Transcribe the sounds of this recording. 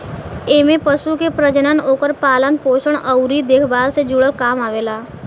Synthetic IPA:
eːmẽpəʃukepɾəd͡ʒənənoːkəɾpaːlənpoːʃəɳəwɾid̪eːkʰbaːlsed͡ʒʊɽəlkaːmaːʋeːlaː

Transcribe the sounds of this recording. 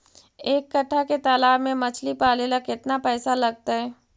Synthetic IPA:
eːkːɐʈʰːaket̪aːlaːɾmẽmɐt͡ʃʰlipaːlelakɪt̪napɛːsalɐɡ̚t̪aɦɛː

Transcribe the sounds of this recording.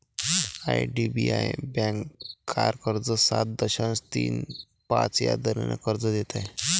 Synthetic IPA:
aiɖibiajbɛ̃ŋkkʰːaɾkəɾd͡zəsat̪̚d̪əɕanst̪ḭːn | pat͡sja̰d̪əɾana̰kəɾd͡zəd̪et̪aj

